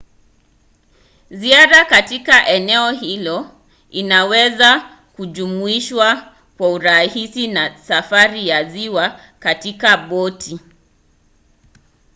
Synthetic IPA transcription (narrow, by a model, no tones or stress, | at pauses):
ziaɾakatikaʔɛnɛɔhilɔ | inawɛza | kuʄumuiʃwa | kwauɾahisinasafaɾijaziwa | katikaɓɔtʰi